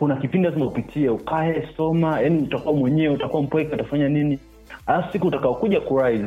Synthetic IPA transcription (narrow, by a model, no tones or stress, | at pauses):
kunakipindilazimaupitʰiɛukʰaɛsɔmajaniutakuwamwɛɲɛwɛutakuwam̩pwɛkɛatafaɲanini | aafusikuːtakaɔkuʄakuɾaiz